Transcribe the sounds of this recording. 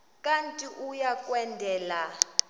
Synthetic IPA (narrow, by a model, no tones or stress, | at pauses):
kʼantʼiʔujakʼwɛndʱɛːla